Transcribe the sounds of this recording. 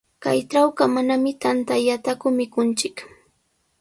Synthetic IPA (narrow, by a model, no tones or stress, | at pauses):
kajʈ͡ʂawkamanamɪt̪ant̪aʎat̪akʊmɪkʊnt͡ʃɪk